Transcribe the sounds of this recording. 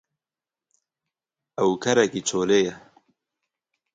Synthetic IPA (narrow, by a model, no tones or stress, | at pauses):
ɐwkʰɐɾɐkit͡ʃʰoːleːjɐ